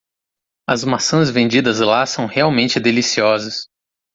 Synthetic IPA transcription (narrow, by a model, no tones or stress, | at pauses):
ɐzmasɐ̃zvẽnd͡ʒid̪ɐzlasɐ̃w̃heawmẽnt͡ʃɪd̪elisiɔzɐs